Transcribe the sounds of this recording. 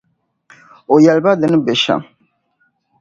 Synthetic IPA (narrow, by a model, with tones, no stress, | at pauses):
o˨jɛ˨lba˦d̪ɛ˨n˦be˨ʃa̰˨